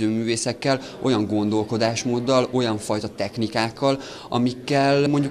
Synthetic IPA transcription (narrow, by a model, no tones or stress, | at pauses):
øːmyːveːsɛkːɛl | o̞jɒŋɡo̞nd̪o̞lko̞d̪aːʃmoːd̪ːɒlo̞jɒɱfɒjt̪ɒt̪ɛxnikaːkːɒl | ʔɒ̰mikːɛlmo̞ɲɟu